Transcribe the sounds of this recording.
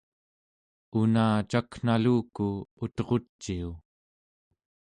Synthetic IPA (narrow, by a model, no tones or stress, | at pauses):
unaːt͡ʃakn̥aluːkuut̪ʁo̞t͡ʃːiu